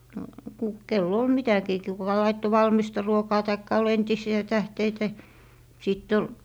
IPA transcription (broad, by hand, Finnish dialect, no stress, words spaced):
no ku kelː ol mitækiː ki kukɑ lɑitːo ʋɑlmistɑ ruokɑː tɑikːɑ ol entisiæ tæhteitæ sitː ol